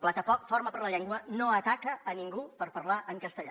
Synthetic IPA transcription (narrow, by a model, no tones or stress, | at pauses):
plat̪əpɔkfoɾməpəɾləʎɛŋɡwənoət̪akəːniŋɡupəɾpəɾlaʔəŋkəst̪əʎa̰